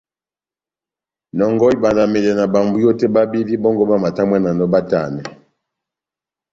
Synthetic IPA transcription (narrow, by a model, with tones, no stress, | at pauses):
nɔ˨ŋɡɔ˦i˦ba˨nda˨me˨lɛ˨na˨ba˨mbu˦jɔ˦tɛ˦ba˦bi˦di˦bɔ˦ŋɡɔ˦ba˦ma˨ta˦mwɛ˦na˨nɔ˦ba˦ta̰˦˨nɛ˨